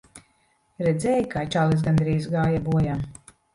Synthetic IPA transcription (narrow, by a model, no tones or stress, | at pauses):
ɾɛd̪zʲɛːjkaːt͡ʃaːlˠis̬ɡand̪ɾiːzɡaːjabuɔjam